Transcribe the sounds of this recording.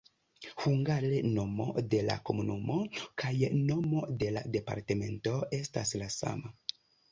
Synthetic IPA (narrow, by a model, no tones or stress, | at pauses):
huŋɡaɾeno̞mo̞̰de̞la̰ko̞munumo̞kʰajno̞mo̞de̞la̰de̞pa̰ɾte̞me̞nto̞e̞staslasa̰ma